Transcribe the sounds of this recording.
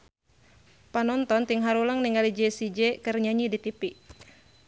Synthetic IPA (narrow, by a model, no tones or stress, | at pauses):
panɔnt̪ɔnt̪iŋɦaɾuləŋniŋalid͡ʒɛsid͡ʒɛkərɲaɲidit̪ipi